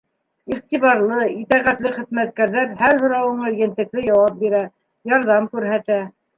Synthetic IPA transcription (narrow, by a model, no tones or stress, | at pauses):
iχt̪iβɑɾlˠɤit̪æʁæt̪lɘχɘ̆ðmæt̪̚kæɾðæɾhæɾɦŏɾɑwɤ̆ɴɑjɘ̆nt̪ɘ̆k̚lɘjɑwɑp̚biɾæ | jɑɾðɑmkʉɾɦæt̪æ